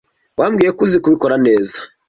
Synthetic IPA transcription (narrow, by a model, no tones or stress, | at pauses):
wʔamɡiːje̞kuzikuβikoɾane̞ːzḁ